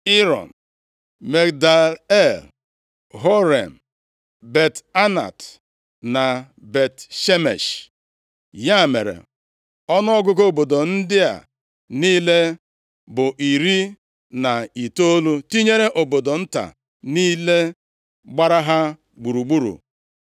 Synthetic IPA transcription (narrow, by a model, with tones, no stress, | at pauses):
i˦ɾɔ̰˨n̩˨ | me˨kda˨e˦l | ɦo˦ɾe˨m̩˨ | be˨ta˦na̰˨t | na˨ | be˨tʃe˦mḛ˨ʃ | ja˦˨mḛ˨ɾḛ˨ | ɔ˦nʊ˦ɔ˦ɡʊ˦ko˦˨bo˨do˨n̩˦dɪ˦a̰˨ | niː˦le˦ | bʊ˨ʔi˨ɾi˦ | na˨i˨to˦o˦lu˦ti˦ɲe˦ɾe˦ʔo˨bo˨do˨n̩˦ta̰˨ | niː˦le˦ | ɡ͡ba˦ɾa˦ɦa˦ | ɡ͡bu˨ɾu˨ɡ͡bu˦ɾṵ˨